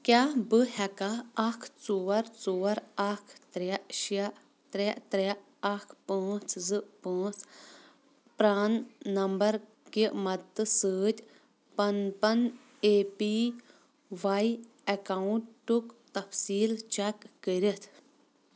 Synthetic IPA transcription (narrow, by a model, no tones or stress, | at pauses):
kʲaːbɨɦɛkaɐkʰt͡soːɐɾt͡soːɐɾɐkʰt̪ɾɛʃa | t̪ɾeʔt̪ɾe | ɐkʰpãːt͡szɨpãːt͡s | pɾaːnːɐmbɐɾ | kimɐd̪t̪ɨsɨːt̪ʲ | pɐnpɐn | epi | ʋaj | ɐkauɳʈʈːukt̪ɐfsiːlt͡ʃɛkːəɾit̪ʰ